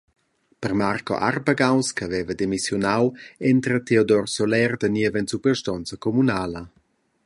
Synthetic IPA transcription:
pərmarko̰ʔa̰rbaɡawskəːvɛvədemisjɔnawɛnt̪ɾət̪eodɔrsolɛrd̪əniəvənt͡supərʃtɔnt͡səkomunaːlə

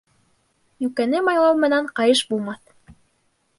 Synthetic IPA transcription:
jʉkænɘmɑjlˠɑwmɘ̆næɴqɑjɤʃbulˠmɑθ

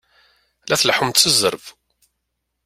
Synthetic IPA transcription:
læθlħumt̪θəzəɾv

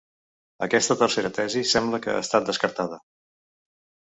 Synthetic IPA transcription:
əkɛst̪ət̪ərseɾət̪ɛzisɛmbləkə̰a̰st̪at̪̚d̪əskəɾt̪að̞ə

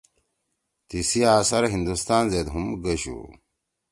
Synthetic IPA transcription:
t̪isiaːsɐɾɦind̪ust̪aːnzeːd̪ɦumɡɐɕṵ

